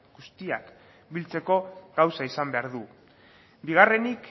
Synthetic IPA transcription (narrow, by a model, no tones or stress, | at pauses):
ɡust̪iak | bilt͡se̞ko̞ɡawsaisambe̞aɾðu | biɣ̞are̞nik